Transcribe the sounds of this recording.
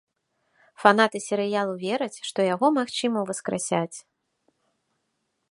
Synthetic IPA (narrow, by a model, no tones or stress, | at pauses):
fanat̪ɨsʲɛɾɨjalˠuvʲɛɾɐt͡sʲʂt̪ɔjaɣɔmaxt͡ʂɨmɐwvɐskɾa̰sʲat͡sʲ